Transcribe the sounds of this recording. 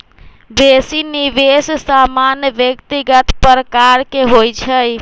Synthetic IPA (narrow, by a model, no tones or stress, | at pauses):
besinibessamanjəʋjəkt̪iɡət̪pəɾəkaɾkeɦojt͡ʃʰəj